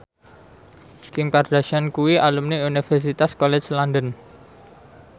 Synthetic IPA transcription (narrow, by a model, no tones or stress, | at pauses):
kiŋkard̪̥aʃankuwiʔalumniunifɛrs̬it̪askolɛt͡ʃlandən